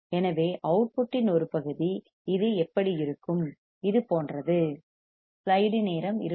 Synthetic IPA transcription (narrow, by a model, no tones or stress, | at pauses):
ɛnɐʋeːʔɐʊʈ̚pʊʈːɪnɔɾɯpɐɣɯði | ɪðɯɛpːɐɽijɪɾɯkːɯm | ɪðɯpoːndrɐðɯ | slɐɪɽɯneːɾɐmɪ̰ɾ